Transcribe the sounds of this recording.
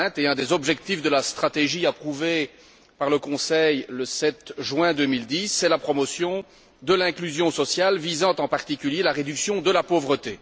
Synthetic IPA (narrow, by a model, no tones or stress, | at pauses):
t̪eɛ̃d̪ezɔbʒɛk̚t̪ifd̪əlast̪χat̪eʒiapχuve | paʁləkɔ̃sɛjləsɛt̪ʒɥɛ̃d̪ømild̪isːɛlapχɔmɔsjɔ̃ | d̪əlɛ̃klyzjɔ̃sɔsjalvizɑ̃t̪ɑ̃paʁt̪ikʲyljelaʁed̪yksjɔ̃d̪əlapovʁət̪e